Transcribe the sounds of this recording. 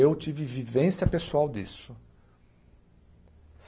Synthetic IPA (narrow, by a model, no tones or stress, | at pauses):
ewt͡ʃivivivẽsjɐpesuawd̪isʊ | s